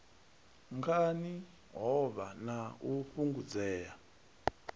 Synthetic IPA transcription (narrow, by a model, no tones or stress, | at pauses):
ŋɡʰani | ɦɔβanauɸuŋɡud͡zɛːja